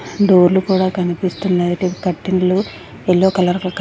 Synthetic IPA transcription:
ɖoːɾlukuːɽaːkɐnipist̪und̪ɐjɐʈekɐʈːinɐlu | elːoːkɐlɐɾɐkɐk

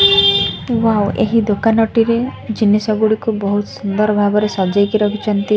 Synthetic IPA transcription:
wawḛɦid̪okanɔʈiɾed͡ʒinesɔɡuɽikubɔɦut̪sund̪ɔɾɔbʱaɡɔɾesɔd͡ʒɔjkiɾɔkʰit͡ʃʰɔnt̪i

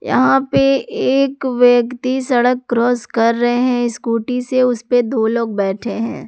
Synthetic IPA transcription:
jɐ̰ɦãpeeːkʋjəkt̪isɐɽəkːɾɔːzkɐɾːɐɦeɦɛ̃ɪskuːʈiseʊsped̪oːloːɡ̚bɛːʈʰeɦɛ̰̃ː

